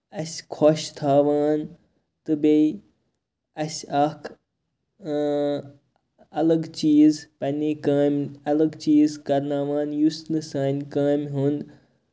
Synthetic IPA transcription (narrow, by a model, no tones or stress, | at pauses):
ɐsʲkʰoʃt̪ʰaːʋaːn | t̪ɨbei | ɐsʲɐkʰ | ɐlɐɡt͡ʃiːzpɐnʲeːkaːmɐlɐɡt͡ʃiːzkɐɾnaːʋaːnjusnɨsaːnʲkaːmʲɦund̪